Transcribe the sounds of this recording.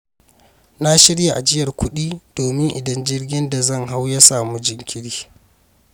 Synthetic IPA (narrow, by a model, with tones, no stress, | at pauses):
na˦ʃɪ˦ɽja˨ʔa˨d͡ʒɪ˦jɐ˨rkʷʊ˦ɗiː˦d̥oː˨mɪ˦ŋʔɪ˨dɐ˦nd͡ʒɪ˦rɡʲɪ˦nda˨zɐ˦˨ŋɦa˦wjɐ˦saː˨mu˦d͡ʒɪ˨ŋkʲʰɪ˦ɽiː˦